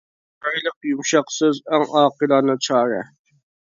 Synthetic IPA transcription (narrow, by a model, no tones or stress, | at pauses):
ɑjlˠəqjumʃɑqsɪzæŋɑːqəlˠɑnɨt͡ʃʰɑːɾə̰